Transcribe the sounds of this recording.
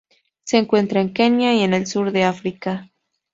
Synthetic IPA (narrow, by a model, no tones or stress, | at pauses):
seːŋkwe̞nt̪ɾaeŋkenjaienelsuɾd̪e̞afɾika